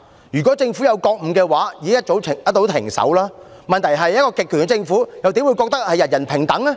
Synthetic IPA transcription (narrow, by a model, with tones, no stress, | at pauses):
jyː˨˩kʷɔ˨˥t͡sɪ˧ŋfu˨˥jɐ˨˧wkɔː˧k̚m̩˨˩kɛː˧waː˨˥jiː˨˧ɪ˥ŋjɐ˥t̚t͡so˨˥wʰɪ˨˩jɐ˥t̚t̪ːo˨˥wt̪ʰɪ˨˩ŋsɐ̰˨˥wlaː˥mɐ˨nt̪ʰɐ˨˩jɦɐ˨jɐ˥t̚kɔː˧kɪ˨k̚ʰːyː˨˩nŋɛ˧t͡sɪ˧ŋfuː˨˥jɐ˨wt̪iː˨˥mwu˨˧jkɔː˧k̚t̪ɐ˥k̚hɐ˨jɐ˨t̚jɐ˨˩npʰɪ˨˩ŋt̪ɐ˨˥ŋlɛ˥